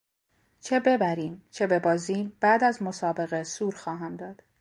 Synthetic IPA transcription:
t͡ʃʰe̞be̞bæɾiːmt͡ʃʰe̞be̞bɒːziːmb̥æːd̪æzmo̞sɒːbe̞ɣe̞suːɾxɒːɦæmd̪ɒːd̪̥

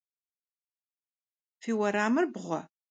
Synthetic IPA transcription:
fiwɐɾaːmərbʁʷɐ̰

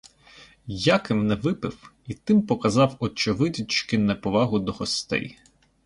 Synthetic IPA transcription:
jakɪmnɛʋɪpɪw | it̪ɪmpɔkɐzɑwɔt͡ʃɔʋɪt̪ʲit͡ʃkɪnɛpɔʋɑɦʊd̪ɔɦɔst̪ɛ̰j

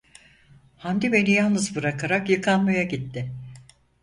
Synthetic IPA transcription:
hand̪ibe̞nijalˠnɯzbɯɾakʰaɾakjɯkʰanmajaɟit̪ːɪ

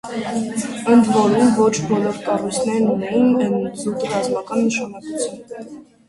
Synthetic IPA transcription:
ənd̪vɔɾumvɔt͡ʃʰbɔlɔɾkɑrujt͡sʰnɛɾnunɛjinənzut̪rɑzmɑkɑnːəʃɑnɑkut͡sʰjun

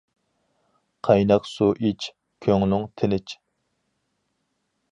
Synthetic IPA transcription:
qʰɑjnɑqsuʔit͡ʃ | kʲʰøŋlʊŋt̪ʰɪnɪt͡ʃ

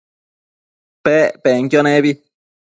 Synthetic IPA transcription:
pepeŋkjonẽβi

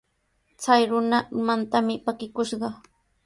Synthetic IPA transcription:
t͡sajɾʊnamant̪amɪpakɪkʊʃɢɑ

